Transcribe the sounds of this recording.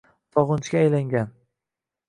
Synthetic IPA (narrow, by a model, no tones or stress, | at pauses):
t̪ʰɒʁɨnt͡ʃʰkʲaːjlaŋɡʲan